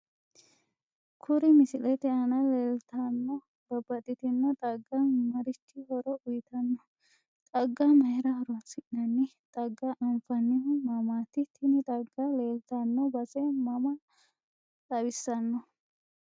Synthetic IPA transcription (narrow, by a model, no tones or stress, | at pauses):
kʰʊɾɪmɪsɪlɛt̪ɛɐnɐleːlt̪ɐnːɔ | b̥ɐbɐt̪ʼɪt̪ɪnːɐt̪ʼɐɡːɐnmɐɾɪt̪ːɪhɔɾɔʔʊjɪt̪ɐnːɔ | t̪ʼɐɡːɐmɐhɛɾɐhɔɾʊɐsɪʔnɐnːɪt̪ʼɐɡːɐʔɐmfɐnːɪhʊmɐmaːt̪ɪt̪ʰːɪnɪt̪ʼɐɡːɐle̞ːlt̪ɐnːɔbɐsɛmɐmɐ | t̪ʼɐbɪsːɐnːɔ